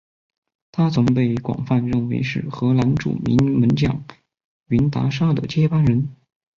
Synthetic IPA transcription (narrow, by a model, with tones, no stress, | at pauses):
t̪ʰa˥t͡sʰʊ˧˥ŋpe˥˩ɪkwɑ̰˨˩ŋfa˥˧nɻə˥˩nwe˧˥ɪʂɻ̩˥˩xɤ˧˥la˧˥nʈ͡ʂṵ˨˩mḭ˧˥nmə˧˥nt͡ɕjɑ̰˨˩˦ŋ | y˧˥nt̪a̰˧˥ʂa˥d̪ə̰˨t͡ɕjɛ˥pa˥nɻə˧˥n